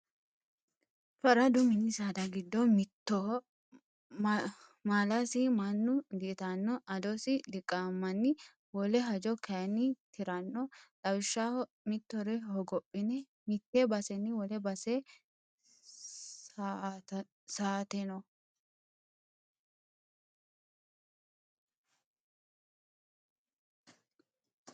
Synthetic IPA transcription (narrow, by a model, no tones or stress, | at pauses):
fɐɾɐd̪ʊmɪnɪsaːd̪ɐɡɪd̪ːɔmɪt̪ːɔ | maːlasɪmɐnːʊɡit̪anːɔʔɐd̪ɔsɪlɪkʼːamːɐnːɪ | wɔlɛɦɐd͡ʒɔkʰɐjɐnːɪt̪ʰɪɾɐnːɔt̪ʼɐwɪʃːa | mɪt̪ːɔɾɛhɔɡɔpʼːɪnɛ | mɪt̪ːebɐsɛnːɪwɔlɛbɐse | saːt̪ɛnɔ